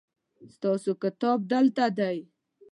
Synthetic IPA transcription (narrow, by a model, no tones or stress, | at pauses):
st̪ɑsokɪt̪ɔb̚d̪əlt̪ad̪aj